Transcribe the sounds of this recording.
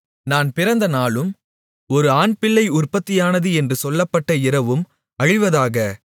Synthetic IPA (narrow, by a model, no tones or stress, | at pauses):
naːnpɪɾɐnd̪ɐnaːlɯm | ɔɾɯaːnpɪɭːɐɪʊrpɐt̪ːɪjaːnɐðɯɛndrɯsɔlːɐpːɐʈːɐɪɾɐʋɯm | ɐɻɪʋɐðaːɣɐ